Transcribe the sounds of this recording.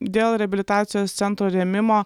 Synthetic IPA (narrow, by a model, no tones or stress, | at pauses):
d̪ʲeːlˠɾʲɛɐbʲɪlʲɪt̪ɑːt̪sʲɪjoːst̪sʲɛnt̪ɾoːɾʲɛmʲɪmoː